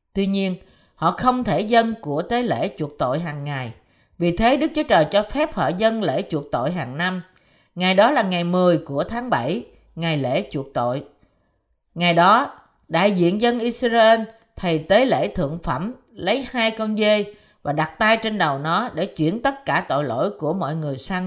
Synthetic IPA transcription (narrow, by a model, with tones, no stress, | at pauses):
t̪wi˧ɲi˧ən | hɔ̰˧˨xə˧wŋ͡mt̪ʰe˧˩zə˧nku˧˩ət̪e˨˦lḛ˧˥t͡ɕu˧˩ək̚t̪o̰˧˨jɦaː˨˩ŋːa˨˩j | vi˨˩t̪ʰe˨˦ɗɨ˦˥k̚t͡ɕu˨˦t͡ɕəː˨˩jt͡ɕɔ˧fɛ˦˥p̚hɔ̰˧˨zə˧nlḛ˧˥t͡ɕu˧˩ək̚t̪o̰˧˨jɦaː˨˩ŋna˧m | ŋa˨˩jɗɔ˨˦laː˨˩ŋa˨˩jmɨ˨˩əjku˧˩ət̪ʰaː˨˦ŋɓa˧˩j | ŋa˨˩jlḛ˧˥˨t͡ɕṵ˧˩ək̚t̪o̰˧˨j | ŋa˨˩jɗɔ˨˦ | ɗa̰ː˧˨jzḭ˧˨ənzə˧nʔi˧sa˧ʔe˧n | t̪ʰə˨˩jt̪e˨˦lḛ˧˥t̪ʰɨ̰˧˨əŋfə˧˩m | lə˨˦jhaː˧jkɔ˧nze˧j | vaː˨˩ɗa˨˩t̚t̪aː˧jt͡ɕe˧nɗə˨˩wnɔ˨˦ɗḛ˧˩t͡ɕwḭ˧˩ənt̪ə˦˥t̚kaː˧˩t̪o̰˧˨jlo̰˧˥˨jku˧˩əmɔ̰˧˨jŋɨ˨˩əjsa˧ŋ